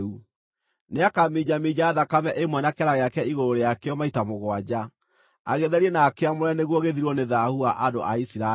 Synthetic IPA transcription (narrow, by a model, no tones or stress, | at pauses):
u | neakamid͡ʑamid͡ʑaːðakamɛʔemwɛnakɛɾaɣeakɛiɣoɾoɾejakeɔmaitamoɣwad͡ʑa | aɣeðɛɾiɛnaːkeamoɾɛneɣwɔɣeðiɾwɔneðahuaʔado̰ʔaisiɾa